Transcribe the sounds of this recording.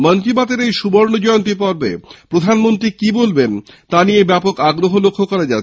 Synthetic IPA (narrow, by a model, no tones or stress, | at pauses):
mənt̪ibat̪eɾejʃuboɾnod͡ʑɔjont̪̬ipɔɾbḛpɾod̪ʱanmont̪ɾikibolbent̪aniebɛpokaɡɾoɦolokʰːokɔɾad͡ʑa